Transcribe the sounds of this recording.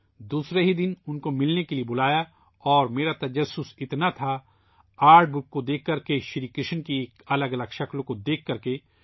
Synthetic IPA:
d̪uːsɾeɦid̪ɪnʊnkomɪlnekeliebʊlaːja | ɔːɾmeːɾat̪ɐd͡ʒɐsːʊsɪt̪nat̪ʰa | aːɾɖ̚bʊkːod̪eːkʰːɐɾkeʃɾikɾɪʃnkieːkɐləɡɐləɡʃɐklkod̪eːkʰːɐɾke

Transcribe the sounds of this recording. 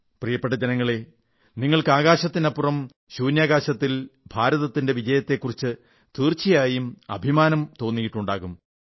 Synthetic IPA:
prijɐpːeʈ̬ːɐd͡ʑenɐŋːɐɭe̞ | niŋːɐɭkɨaːɣaːɕɐt̪ːinɐpːurɐm | ɕuːnjaːɣaːɕɐt̪ːilbʱaːɾɐðɐt̪ːinde̞ʋid͡ʑɐjɐt̪ːe̞kːurit͡ɕːɨ | t̪iːrt͡ɕːijaːjumɐ̰bʱimaːnɐmt̪o̞ːnːijiʈːuɳɖaːɣum

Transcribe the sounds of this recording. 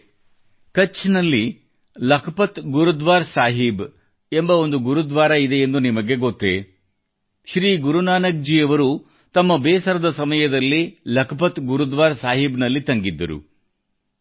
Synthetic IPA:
kɐt͡ʃːnɐlːi | lɐkʰɐpɐt̪ɡuɾud̪ʋaːɾsaːɦib | e̞mbɐo̞nd̪uɡuɾud̪ʋaːɾɐid̪e̞end̪unimɐɡe̞ɡot̪ːe | ʃɾiːɡuɾunaːnɐɡ̚d͡ʒijɐʋɐɾu | t̪ɐmːɐbeːsɐɾɐd̪ɐsɐmɐjɐd̪ɐlːilɐkʰɐpɐt̪ɡuɾud̪ʋaːɾsaːɦibnɐlːit̪ɐŋɡid̪ːɐɾṵ

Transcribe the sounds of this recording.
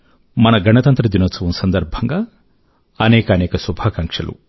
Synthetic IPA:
mɐnɐɡʱɐnɐt̪ɐnt̪ɾɐd̪inot͡sɐʋɐmsɐnd̪ɐɾbʱɐŋɡɐ | ɐnɛːkɐːnɛːkɐsubʱaːkɐŋkʂɐ̰lṵ

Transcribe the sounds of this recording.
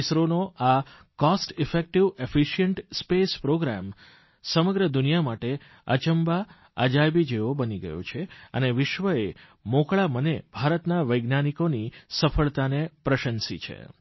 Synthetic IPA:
sɾonoa | kɔsʈɪfek̚ʈiʋefiʃijəɳʈspespɾoɡɾam | səməɡɾəd̪ʊnijamaʈe | ə̰t͡ʃəmba | ə̰d͡ʒajbid͡ʒeobəniɡə̰jo̰t͡ʃʰeə̰neʋɪʃʋəe | mõkɭamənebʱaɾət̪naʋəjɡnanikonisəfʰəɭt̪anepɾəʃənsḭt͡ʃʰḛ

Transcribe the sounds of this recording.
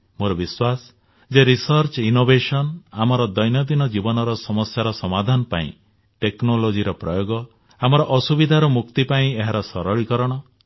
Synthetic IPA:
moɾɔbiswas | d͡ʒeɾisɔɾt͡ʃinobesɔnamɔɾɔd̪ɔjnɔd̪inɔd͡ʒibɔnɔɾɔsɔmɔsjaɾɔsɔmad̪ʱanɔpaḭ̃ | ʈeknolod͡ʒiɾɔpɾɔjoɡɔ | amɔɾɔʔɔsubid̪ʱaɾumukt̪ipaĩeɦaɾɔsɔɾɔɭikɔɾɔɽ̃ɔ

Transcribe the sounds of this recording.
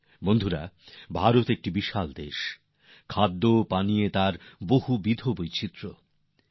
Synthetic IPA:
bond̪ʱuɾa̰bʱaɾot̪ek̚ʈibiʃald̪eʃ | kʰad̪ːopaniet̪aɾboɦubid̪ʱobojt͡ɕʰit̪ːɾo

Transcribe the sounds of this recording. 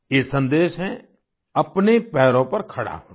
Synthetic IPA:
jeːsə̃nd̪eːʃɦɛ̃ | ɐpnepɛːɾõpɐɾkʰɐɽa̰ɦoː

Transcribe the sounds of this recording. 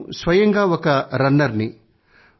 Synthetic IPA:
sʋɐjɐŋɡaːɔkɐɾɐnːɐɾni

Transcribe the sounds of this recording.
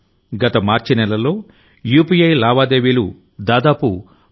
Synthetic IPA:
ɡɐt̪ɐmaːɾt͡ʃinɛlɐlo̞ː | juːpijɐjlaːʋaːd̪e̞ːʋiːlu | d̪aːd̪aːpu

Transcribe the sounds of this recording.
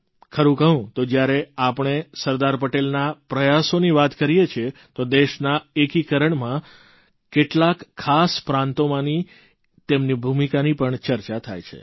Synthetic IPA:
kʰəɾũkəɦũt̪od͡ʒjaɾeapɳ̃esəɾd̪aɾpəʈelnapɾəjasoniʋat̪kəɾijet͡ʃʰet̪od̪eʃnaekikəɾəɳmã | keʈlakʰːaspɾãnt̪omãni | t̪emnibʱumikanipəɳt͡ʃəɾt͡ʃat̪ʰa̰jt͡ʃʰḛ

